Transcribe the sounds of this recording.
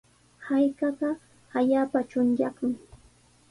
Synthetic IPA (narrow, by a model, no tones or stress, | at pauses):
hajkɑɢɑ | aʎaːpat͡ʃʊnjakʊŋ